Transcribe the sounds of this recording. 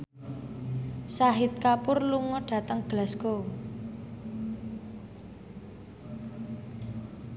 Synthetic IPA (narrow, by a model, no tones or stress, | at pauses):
saɦɪt̪̚kapʊrluŋɔɖ̥a̤t̪əŋɡ̥əlasɡ̥o